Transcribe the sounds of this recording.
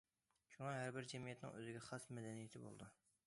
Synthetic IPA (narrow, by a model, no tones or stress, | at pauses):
ʃuŋɑɦæɾbɪɾd͡ʒɛmijɛt̪nɪ̰ŋøzɪɡʲɛχɑsmɛd̪ɛnijet̪ʰɪbo̰lˠd̪u